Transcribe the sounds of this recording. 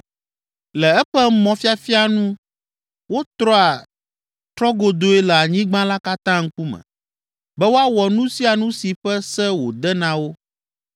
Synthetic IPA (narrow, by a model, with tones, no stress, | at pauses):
lɛ˨ɛ˦ɸɛ˦mɔ̃˨fi˦a˨fi˦a˨nũ˦ | wo˦t̪ɾɔ˦a˨ | t̪ɾɔ˦ɡo˨d̪o˦e˦lɛ˨a˨ɲĩ˦ɡ͡bã˦la˦ka˦t̪ã˦ŋ̩˦ku˦mɛ̰̃˨ | bɛ˦wo˦a˦wɔ˨nũ˦si˦a˨nũ˦si˨ɸɛ˦sɛ˦wo˨d̪ɛ˦nã˨wo˦